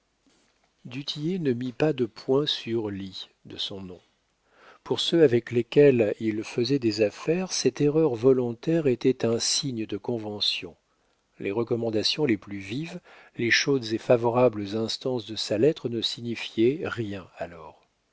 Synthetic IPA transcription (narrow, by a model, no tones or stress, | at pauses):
d̪yt̪ʰijenəmipad̪əpʰwɛ̃syʁlid̪əsɔ̃nɔ̃ | puʁsøavɛklekʲɛlilfəzɛd̪ezafɛʁsɛt̪eʁœʁvɔlɔ̃t̪ɛʁet̪ɛt̪ɛ̃siɲəd̪əkɔ̃vɑ̃sjɔ̰̃ | lʔeʁəkɔmɑ̃d̪asjɔ̃leplyviv | leʃod̪zefavɔʁabləzɛ̃st̪ɑ̃sd̪əsalɛt̪χnəsiɲifjɛʁjɛ̃alɔːʁ